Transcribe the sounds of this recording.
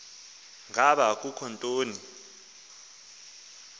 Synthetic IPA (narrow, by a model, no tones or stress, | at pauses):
ŋʱaɓak̬ʼukʰɔntʼoːni